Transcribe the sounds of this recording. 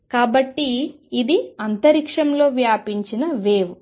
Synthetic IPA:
kaːbɐʈːiː | d̪iɐnt̪ɐɾikʂɐmlo̞ːʋjaːpiɲt͡ʃinɐʋeːʋ

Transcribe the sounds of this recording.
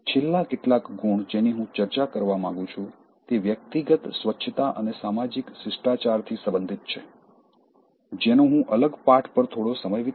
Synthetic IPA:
t͡ʃʰelːakeʈlakɡʱuɳd͡ʒeniɦũt͡ʃəɾt͡ʃakəɾʋamãŋɡũt͡ʃʰũ | t̪eʋjək̚t̪iɡət̪sʋətːʃʰət̪aʔənesamad͡ʒiksɪsʈat͡ʃaɾt̪ʰisəbənd̪ʱit̪̚t͡ʃʰe | d͡ʒenoɦũʔələɡpaʈʰpəɾt̪ʰoɽosəməjʋi

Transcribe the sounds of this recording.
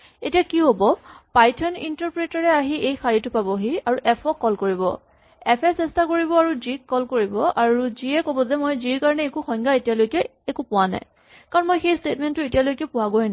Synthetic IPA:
etijakiɦobɔpajtʰɔnḭntɔɹpɹetaɹɛaɦiʔejxaɹitʊpabɔɦiaɹuʔɛpʰɔkːɔlkoɹibɔ̰ | ɛpʰɛsɛstakoɹibɔaɹuzikːɔlkoɹibɔʔaɹuziɛkobɔzɛmojziɹkaɹɔnɛekuxɔŋɡaetijalojkɛːkupʊwana̰j | kaɹɔnmojxejstetmɛntːʊetijalojkɛpʊwaɡojna

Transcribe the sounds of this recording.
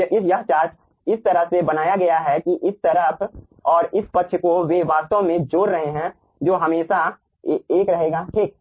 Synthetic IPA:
ɪsjɐɦt͡ʃaːɾt͡ʃ | ɪst̪ɐɾəɦsebɐnaːjaɡɐjaɦɛkiʔɪst̪ɐɾəpʰ | ɔːɾɪspɐtːʃʰkoʋeʋaːst̪õmẽd͡ʒoːɾɾɐɦeɦɛ̃ | d͡ʒoːɦɐmeːʃa | eːkɾɐɦeːɡaːʈʰiːk̚

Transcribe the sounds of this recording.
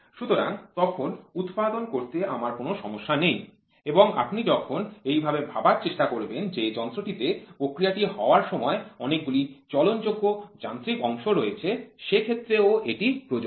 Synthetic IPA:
ʃut̪oɾa̰ŋt̪ɔkʰonut̪pad̪onkoɾt̪eamaɾkonoʃɔmoʃːanej | eboŋa̰pnid͡ʑɔkʰonejbʱabebʱabaɾt͡ɕeʃʈakoɾbend͡ʑed͡ʑɔnt̪ɾoʈit̪epɾokɾijaʈiɦɔoaɾʃɔmɔeɔnek̚ɡulit͡ɕɔlond͡ʑoɡːod͡ʑant̪ɾikɔŋʃoɾojet͡ɕʰeʃekʰet̪ːɾeoeʈipɾod͡ʑo

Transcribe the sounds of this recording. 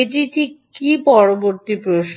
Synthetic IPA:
eʈ̬iʈʰikːipɔɾoboɾt̪ipɾoʃ

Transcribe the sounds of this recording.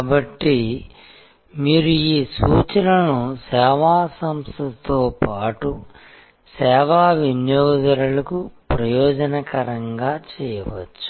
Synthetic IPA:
kaːbɐʈːi | miːɾuiːsuːt͡ʃɐɾɐnusɛːʋaːsɐmst̪ɐt̪oːpaːʈu | sɛːʋaːʋinjɔːd̪ɐɾɐlɐkupɾɐjɔːd͡ʒɐnɐkɐɾɐŋɡaːt͡ʃɛːjɐʋɐ̰t͡ʃːu̥

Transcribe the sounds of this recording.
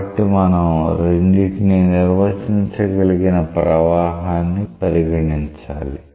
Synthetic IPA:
ʈimaːnɐɾeɳɖiʈniniɾʋɐt͡ʃiɲt͡ʃɐɡɐliɡinɐpɾɐʋaːɦaːnːipɐɾiɡɐɳiɲt͡ʃa̰ːli

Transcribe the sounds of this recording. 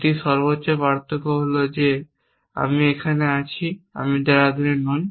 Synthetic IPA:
ʈiʃɔɾbotːɕobaɾt̪okoɦolod͡ʑe | a̰miekʰaneat͡ɕʰia̰mid̪eɾad̪oɾenɔj

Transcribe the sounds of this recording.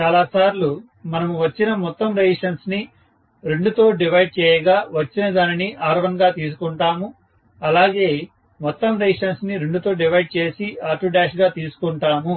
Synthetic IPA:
t͡ʃaːlaːsaːɾlu | mɐnɐmuʋɐt͡ʃːinɐmɔt̪ːɐmɾeːʂɐnsni | ɾe̞ɳɖut̪o̞ːɖiʋɐjɖ̚t͡ʃɛːjɐɡaːʋɐt͡ʃːinɐd̪aːniniʔaːɾʋɐnɡaːt̪iːs̬u̥kuɳʈaːmu | ɐlaːɡe̞ː | mɔt̪ːɐmɾeːʂɐnsniɾeɳɖut̪o̞ːɖiʋɐjɖ̚t͡ʃeːsiaːɾʈuɖaːʃɡaːt̪iːsu̥kuɳʈaːmu

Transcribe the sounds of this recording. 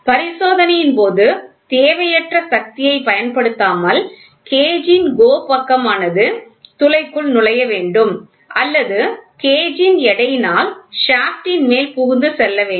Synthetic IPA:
pɐɾɪsoːðɐnɐjɪnpoːðɯt̪eːʋɐjɐʈrɐsɐk̚t̪ɪjɐɪpɐjɐnpɐɽɯt̪ːaːmɐl | keːd͡ʒɪnɡoːpɐkːɐmaːnɐðɯt̪ʊlɐɪkːɯɭnʊɭɐjɐʋeːɳɖɯm | ʔɐlːɐðɯkeːd͡ʒɪnɛɽɐjnaːlʂaːfʈɪnmeːlpʊɣʊnd̪ɯsɛlːɐʋeː

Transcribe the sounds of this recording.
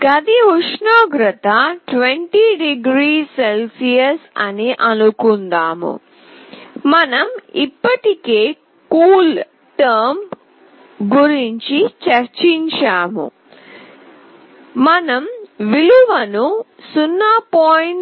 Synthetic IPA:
ɡɐd̪iuʂɳaːɡɾɐt̪ɐʈʋeɳʈiɖiɡɾiːselsijɐsɐniʔɐnukund̪aːmṵ | mɐnɐmipːɐʈikeː | kuːl | ʈɐɾm | ɡuɾiɲt͡ʃit͡ʃɐɾt͡ʃiɲt͡ʃaːmṵ | mɐnɐmʋiluʋɐnu | sunːaːpoːjɳ

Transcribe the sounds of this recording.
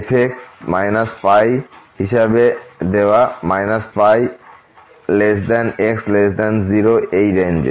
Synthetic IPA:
epʰek̚ʈmajnaspajhiʃabed̪ewamajnaspaj | lesd̪anekslesd̪anziɾoejɾend͡ʒḛ

